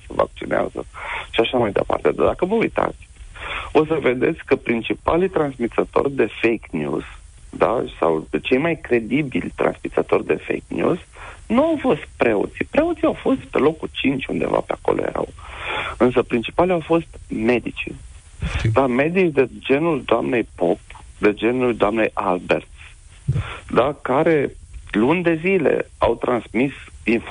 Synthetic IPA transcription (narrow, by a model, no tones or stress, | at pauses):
seva̰k̚t͡ʃinḛa̰zə̰ʃiaʃamajd̪ə̰pa̰rt̪ed̪ad̪akəvəujt̪a̰t̪sʲo̞səve̞d̪e̞̰t̪sʲkəpɾint͡ʃipalit̪ɾansmit̪sət̪o̞̰rʲd̪e̞fejknjṵz̥ | d̪asawt͡ʃe̞jmajkɾe̞d̪ibilʲt̪ɾa̰nsmit̪sət̪o̞rʲd̪e̞fḛjknʲjṵz̥nuawfo̞st̪pɾe̞o̰t̪sipɾe̞ot̪siawfo̞st̪pe̞̰lo̞kut͡ʃint͡ʃʲund̪e̞̰va̰peako̞̰lʔoje̞̰ɾa̰wɨns̬əpɾint͡ʃi̥palʲawfo̞st̪me̞d̪it͡ʃḭ | d̪ame̞d̪it͡ʃd̪ed͡ʒe̞nuld̪oamne̞jpo̞p̚d̪e̞d͡ʒe̞nulud̪oamnejʔalbe̞̰rt̪ | d̪akaɾe̞lunʲd̪e̞zile̞̰awt̪ɾʔansmisinf